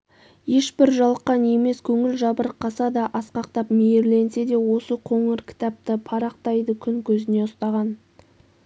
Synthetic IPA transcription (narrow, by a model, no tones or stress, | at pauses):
je̞ʃbɪɾʒɑlˠqːɑne̞me̞skʲʰɵŋɪlʒɑbəɾqʰːɑsɑd̪ɑʔɑsqɑq̚t̪ɑpmejeɾle̞nse̞d̪e̞wo̞səqʰoŋɪɾkʲʰɪ̥t̪ɑp̚t̪əpʰɑɾɑq̚t̪ɑjd̪əkʲʰʏŋkʲʰɵzɪne̞ʊst̪ɑʁɑn